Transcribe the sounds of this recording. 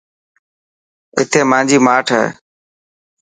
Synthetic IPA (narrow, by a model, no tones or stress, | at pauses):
ɪt̪ʰeːmãːnd͡ʒiːmaːʈʰḛː